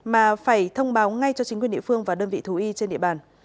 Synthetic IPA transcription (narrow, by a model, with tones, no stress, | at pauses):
maː˨˩faː˧˩jt̪ʰə˧wŋ͡mɓaː˨˦wŋa˧jt͡ɕɔ˧t͡ɕi˨˦ŋkwəɗḭ˧˨fɨ˧əŋvaː˨˩ɗəː˧nvḭ˧˨t̪ʰu˨˦ʔi˧t͡ɕe˧nɗḭ˧˨əɓaː˨˩n